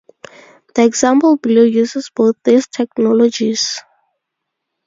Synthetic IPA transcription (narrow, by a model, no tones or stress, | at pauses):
d̪̥iɛɡz̥ãmpəlblujuzəzboːt̪̚d̪iztʰɛknɔlɔd͡ʒiz̥